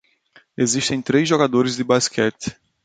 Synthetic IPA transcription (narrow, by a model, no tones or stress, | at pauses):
eziʃt̪ẽj̃t̪ɾezʒoɡad̪oɾɪzd̪ɪbaskʰɛt̪